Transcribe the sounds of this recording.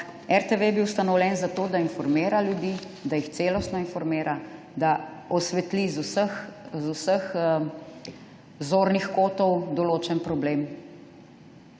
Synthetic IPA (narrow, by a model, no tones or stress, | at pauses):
ɛɾt̪eʋebiwst̪anɔwlʲjɛnzat̪oːd̪ainfɔɾmeːɾaljud̪i | d̪ajixt̪seːlɔst̪nɔinfɔɾmeːɾʔa | d̪aɔsʋɛt̪lizusəxzusəx | zoːɾnixkoːt̪ɔwd̪ɔloːt͡ʃɛnpɾɔbleːm